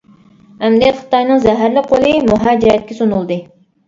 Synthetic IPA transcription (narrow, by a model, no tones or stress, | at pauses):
ɛmd̪it̪χɨ̥t̪ɑjnɨŋzɛɦæɾlɪqʰːolˠɨmuɦæːd͡ʒɛɾjɛt̪̚kʲɛsonulˠd̪ɨ